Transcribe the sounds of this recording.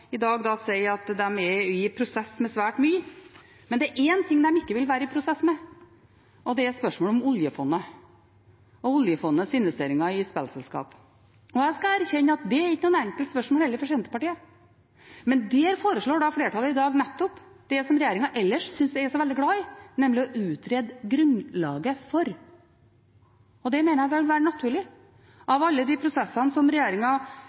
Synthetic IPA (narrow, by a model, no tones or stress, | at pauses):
ɪd̪ɑːɡd̪ɑsɛɪɑt̪d̪ɛmɛɪpʰɾʊsɛsmɛsʋæːʈmyːə | mɛnd̪ɛæɾʔɛnt̪ʰɪŋd̪ɛmɪkːəʋɪlʋæːɾəɪpʰɾʊsɛsːmɛ | ʔɔd̪ɛæɾspœʂmoːlɔmɔljəfɔnːə | ɔʊljəfɔnːəsɪnʋɛst̪eːɾɪŋɑɪspɛ̰lsɛlskɑ̰ːp | ɔæskɑæɾçɛnːəɑt̪̚d̪ɛæɾɪkːənuːənɛŋkəlt̪spœʂmɔlhɛlːəɾfɔʂɛːnt̪əpɑʈiːə | mɛnd̪ɛhæɾfoːɾəʂɭoːɖɑfleːʈʰɑːlːəɪd̪ɑːɡnɛt̪ːɔp | d̪̥ɛsɔmɾɛjeːɾɪŋɑʔɛlːəʂsʏnsd̪ɛæʂɔʋɛld̪ɪɡlɑɪnɛmlɪɔʔʉːt̪ʰɾeːd̪ɡɾʉnlɑːɡəfɔɾ | ɔd̪ɛmeːnəɾjæʋɪʋɪlʋæːɾənɑt̪ʰʉːɭɪ | ʔɑʋɑlːəd̪ipʰɾʊsɛsːɑnsɔmɾɛjeːɾɪŋɑ